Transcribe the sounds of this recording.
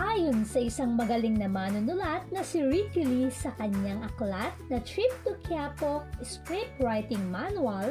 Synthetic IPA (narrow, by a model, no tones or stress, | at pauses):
ʔaːjonsɐʔɪsɐŋmɐɡɐlɪŋnɐmaːnʊnʊlat̪̚nɐsiɹikɪlisɐkɐɲjaŋɐklat̪̚nɐt̪ɹip̚t̪ʊkʰjapok̚skɹip̚ɹajt̪ɪŋmanuɐl